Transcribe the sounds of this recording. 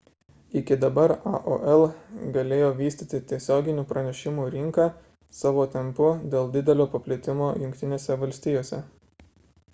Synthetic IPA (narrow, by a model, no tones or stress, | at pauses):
ɪkʲɪd̪ɐbɐɾɑ̰ʔo̰ʔɛlˠɡɐlʲeːjoːʋʲiːst̪ʲiːt̪ʲɪt̪ʲiɛsʲoːɡʲɪnʲuːpɾɐnʲɛʃʲɪmuːɾʲɪŋkɑː | sɑːʋoːt̪ʲɛmpʊd̪ʲeːlˠd̪ʲɪd̪ʲɛlʲoːpɐpʲlʲɪt̪ʲɪmoːjʊŋʲkt̪ʲɪnʲeːsʲɛʋɐlʲsʲt̪ʲiːjoːsʲɛ